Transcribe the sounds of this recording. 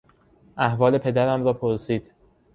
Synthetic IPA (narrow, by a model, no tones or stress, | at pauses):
ʔæhvɒːle̞pʰe̞d̪æɾæmɾɒːpʰoɾsiːd̪̥